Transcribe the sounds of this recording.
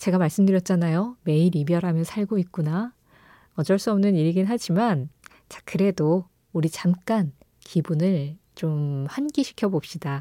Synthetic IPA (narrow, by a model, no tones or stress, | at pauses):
t͡ɕe̞ɡamaɭs͈ɯmdɯɾjʌt̚t͡ɕ͈anajome̞iɾibjʌɾɦamjʌnsʰaɭɡoit̚k͈una | ʌd͡ʑʌɭs͈uʌmnɯniɾɡinɦad͡ʑiman | t͡ɕḁkʰɯɾe̞do | uɾit͡ɕamk͈an | kʰibunɯɭt͡ɕomhanɡiɕʰi̥kʰjʌbop̚ɕ͈ida